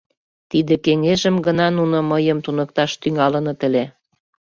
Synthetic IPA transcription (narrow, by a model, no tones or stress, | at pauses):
t̪id̪ekeŋeʒə̆mɡə̆nɑnunoməjəmt̪unɤk̚t̪ɑʃt̪yŋɑlə̆nɤ̆t̪ə̆le